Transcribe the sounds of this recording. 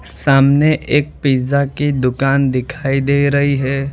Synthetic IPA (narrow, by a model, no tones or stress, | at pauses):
saːmneʔeːk̚piːzakid̪ʊkaːnd̪ɪkʰaːid̪eːɾɐɦiɦɛː